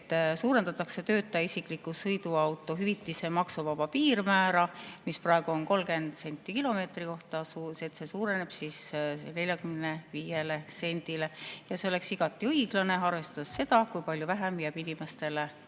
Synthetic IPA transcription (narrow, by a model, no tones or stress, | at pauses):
t̪ːˑsuːɾe̞nd̪ɑt̪ːˑɑkse̞t̪ø̞ːt̪ːˑɑisikˑlikːˑusɤjd̪uɑwt̪ːˑo̞ɦyvit̪ˑːise̞mɑksuvɑpɑpiːrmæːɾɑmisprɑeɡ̥uo̞nko̞lɡe̞nd̪̥se̞nʲt̪ˑːikilo̞me̞ːt̪riko̞ht̪ɑset̪ːse̞suːɾe̞ne̞b̥sisne̞lʲjɑkymne̞viːjele̞se̞nʲd̪ile̞jɑse̞ole̞ksiɡ̥ɑt̪ːˑiɤjɡ̥lɑne̞ɑrvest̪sːe̞d̪̥ɑkujpɑlʲjuvæɦæmjæːb̥inʲime̞st̪e̞le